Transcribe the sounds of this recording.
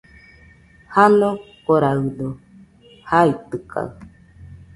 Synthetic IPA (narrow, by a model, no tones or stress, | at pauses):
hano | koɾaɯd̪o | hait̪ɨka̰